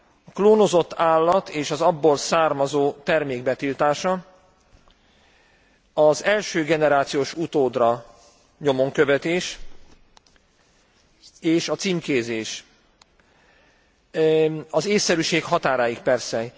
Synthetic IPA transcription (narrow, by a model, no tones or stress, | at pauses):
ɒkloːno̞zo̞t̪ːaːlːɒt̪ʰeːʃɒzɒbːolsaːrmɒzoːt̪ɛrmeːɡ̚bɛt̪ilt̪aːʃɒ | ɒzɛlʃøːɡɛnɛɾaːt̪sijoːʃut̪oːd̪rɒ | ɲo̞mo̞ŋkøvɛt̪eːʃ | eːʃɒt̪siːmkeːzeːʃ | ɒzeːsːɛɾyʃeːkhɒt̪aːɾaːjikpɛrsɛ